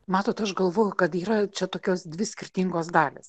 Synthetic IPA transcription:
mɑːt̪oːt̪ɐʃɡɐlˠʋoːjʊkɐt̪iːɾɐt͡ʃʲɛt̪oːkʲoːsd̪ʲʋʲɪsʲkʲɪrʲt̪ʲiŋɡoːsd̪ɑːlʲeːs

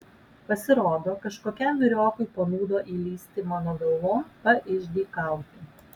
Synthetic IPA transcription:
pɐsʲɪɾoːd̪oːkɐʃkoːkʲɛmʲʋʲɪɾʲoːkʊɪpoːnuːd̪oːʔiːlʲiːsʲt̪ʲimoːnoːɡɐlˠʋoːmpɐɾɪʒʲd̪ʲiːkɐˑʊt̪ʲi

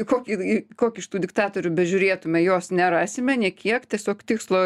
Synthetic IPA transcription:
koːkʲiɪkoːkʲɪɪʃt̪uːd̪ʲɪkt̪ɑːt̪oɾʲʊbʲɛʒʲʊɾʲeːt̪ʊmʲɛjoːsnʲɛɾɑːsʲɪmʲɛnʲekʲiɛkt̪ʲiɛsʲoːkt̪ʲɪkslˠoː

